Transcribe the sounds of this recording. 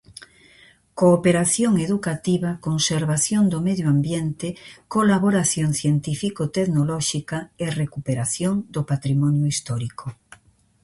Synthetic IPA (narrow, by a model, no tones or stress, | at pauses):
koːpeɾaθjoŋeðukat̪iβakonseɾβaθjond̪omeðjoambjent̪ekolaβoɾaθjoŋθjent̪ifikot̪eðnolɔʃikaerekupeɾaθjoŋd̪opat̪ɾimɔnjoist̪ɔɾiko